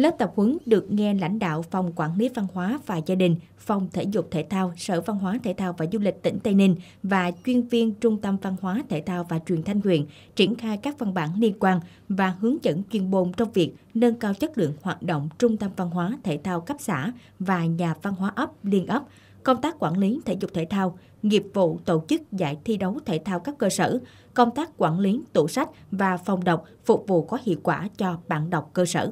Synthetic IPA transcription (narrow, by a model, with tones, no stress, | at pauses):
ləː˦˥p̚t̪ə˨˩p̚hɨ˨˦ŋɗɨ˨˩ək̚ŋɛ˧la̰˧˥jŋ̟ɗa̰ː˧˨wfɔ˨˩wŋ͡mkwaː˧˩nli˨˦va˧nhwaː˨˦vaː˨˩zaː˧ɗï˨˩ŋ̟ | fɔ˨˩wŋ͡mt̪ʰḛ˧˩zʊ˨˩k͡p̚t̪ʰḛ˧˩t̪ʰaː˧wsə̰ː˧˩va˧nɦwaː˨˦t̪ʰḛ˧˩t̪ʰaː˧wvaː˨˩zu˧lï˨˩k̟̚t̪ḭ˧˩ŋ̟t̪a˧jnï˧ŋ | vaː˨˩t͡ɕwi˧ənvi˧ənt͡ɕʊ˧ŋ͡mt̪ə˧mva˧nhwaː˨˦t̪ʰe˧˩t̪ʰaː˧wvaː˨˩t͡ɕwi˨˩nt̪ʰa˧jŋ̟hwḭ˧˨ən | t͡ɕi˧˩ənxaː˧jkaː˦˥k̚va˧nɓaː˧˩nli˧ənkwaː˧n | vaː˨˩ɦɨ˨˦əŋt͡ɕə̰˧˥nt͡ɕwi˧˩ənɓo˨˩nt͡ɕɔ˧wŋ͡mvi˨˩ək̚nə˧nkaː˧wt͡ɕə˦˥t̚lɨ̰˧˨əŋhwaː˨˩t̚ɗo̰˧˨wŋ͡mt͡ɕʊ˧ŋ͡mt̪ə˧mva˧nɦwaː˨˦t̪ʰe˧˩t̪ʰaː˧wka˦˥p̚sa̰ː˧˩ | vaː˨˩ɲaː˨˩va˧nɦwaː˨˦ʔə˦˥p̚li˧ənʔə˦˥p̚ | kə˧wŋ͡mt̪aː˦˥k̚ːwaː˧˩nli˨˦t̪ʰḛ˧˩zʊ˨˩k͡p̚t̪ʰḛ˧˩t̪ʰaː˧w | ŋi˨˩əp̚vṵ˧˨t̪o˧˩t͡ɕɨ˦˥k̚za̰ː˧˩jt̪ʰi˧ɗə˨˦wt̪ʰe˧˩t̪ʰaː˧wkaː˦˥kːəː˧səː˧˩ | kə˧wŋ͡mt̪aː˦˥k̚kwaː˧˩nli˨˦t̪o˧˩sa˦˥k̟̚vaː˨˩fa˨˩wŋ͡mɗə˨˩wk͡p̚fʊ˨˩k͡p̚vṵ˧˨kɔ˨˦hḭ˧˨əwkwaː˧˩t͡ɕɔ˧ɓa̰ː˧˥nɗə˨˩wk͡p̚kəː˧sə̰ː˧˩